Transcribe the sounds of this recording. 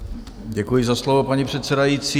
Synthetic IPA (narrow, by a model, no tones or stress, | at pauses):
ɟɛkujɪzaslovopaɲipr̝̥ɛt̪sɛdajiːt͡siː